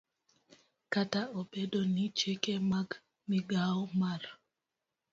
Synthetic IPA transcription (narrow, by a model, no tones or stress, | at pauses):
kataobedonit͡ʃekemaɡ | mɪɡaɔmar